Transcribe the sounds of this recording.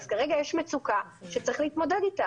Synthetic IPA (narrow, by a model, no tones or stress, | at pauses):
z̥kaʁeɡajeʃmet͡suka | ʃet͡sʁiχleitmo̞dedita